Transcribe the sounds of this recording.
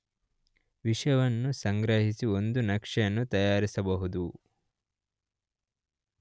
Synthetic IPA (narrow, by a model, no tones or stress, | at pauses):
ʋiʂjɐʋɐnːusɐŋɡɾɐɦisio̞nd̪unɐkʂɐjɐnːut̪ɐjaːɾisɐbɐɦud̪u